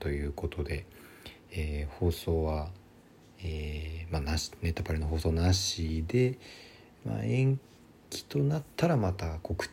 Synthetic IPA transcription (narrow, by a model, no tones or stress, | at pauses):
t̪o̞jɯ̟ːko̞t̪o̞d̪e̞ː | ho̞ːso̞ːβa | emanaɕi̥ne̞t̪ːapaɾeno̞ɦo̞ːso̞ːnaɕid̪e̞ | ma̰ẽ̞ŋ | kʲi̥t̪o̞nat̪ʰːaɾamat̪ako̞kɯ̟̥